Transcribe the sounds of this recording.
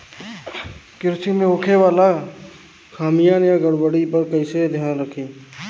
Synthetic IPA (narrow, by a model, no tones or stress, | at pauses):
kɪɾsimẽokʰewaːla | kʰaːmijanjaɡəɽwəɽipəɾkəɪsed̪ʱjaːnɾəkʰẽː